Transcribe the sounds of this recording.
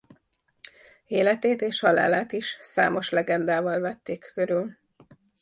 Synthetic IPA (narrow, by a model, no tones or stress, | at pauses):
eːlɛt̪eːt̪eːʃhɒla̰ːlaːt̪iʃsa̰ːmo̞ʃlɛɡɛnd̪aːvɒlvɛt̪ːeːkːøɾyl